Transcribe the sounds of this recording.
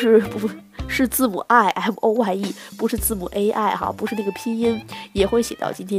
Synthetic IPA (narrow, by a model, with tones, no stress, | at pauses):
ɻ̩˥˧pu˧˥ʂɻ̩˥˧t͡sɹ̩˥˩mṵ˨˩ʔa˥˩ɪʔa˥˩ɪm˨˩ʔo˥ʊwa˥˧ɪi˥˩pu˧˥ʂɻ̩˥˧t͡sɹ̩˥˩mṵ˨˩ʔe˥ɪʔa˥˩ɪxɑ̰˧˥pu˧˥ʂɻ̩˥˧na˥˩ɡə˩pʰi˥ni˥njɛ˨˩xwe˥˩ɪɕjɛ˨˩t̪ɑ˥˧ʊt͡ɕi˥nt̪ʰjɛ˥